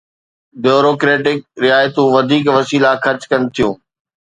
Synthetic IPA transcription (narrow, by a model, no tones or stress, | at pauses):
bjoːɾoːkɾeːʈɪk̚ɾɪaːjt̪ũʋɐd̪ʱiːkʋɐsiːlaxɐɾt͡ɕkɐnt̪ʰijũː